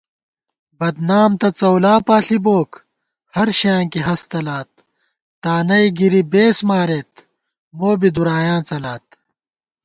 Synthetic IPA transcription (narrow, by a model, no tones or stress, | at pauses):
bɐd̪naːmt̪ɐt͡sɐwlaːpaːɬiboːk | hɐɾɕãːŋkiɦɐst̪ɐlaːt̪̚ː | aːnɐjɡiɾibeːsmaːɾeːt̪ | moːbid̪uɾaːjãːt͡sɐlaːt̪̚